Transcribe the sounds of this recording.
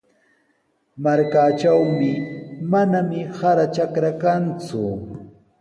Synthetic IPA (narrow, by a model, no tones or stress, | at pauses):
maɾkat͡ʃawmɪmanamɪhaɾat͡ʃakɾakant͡sʊ̰